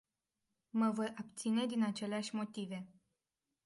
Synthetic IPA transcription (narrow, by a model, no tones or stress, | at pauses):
məvo̞japt̪sine̞d̪inat͡ʃe̞leaʃʲmo̞t̪ive̞